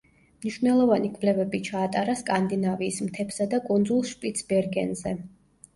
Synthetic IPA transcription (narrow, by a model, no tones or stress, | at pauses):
mniʃvnɛlˠɔvanikʰʼvlɛvɛbit͡ʃʰaːt̪ʼaɾaskʼand̪inaviːsmt̪ʰɛpsad̪akʼund̪zulˠʃpʼit̪sʰbɛɾɡɛ̰nzɛ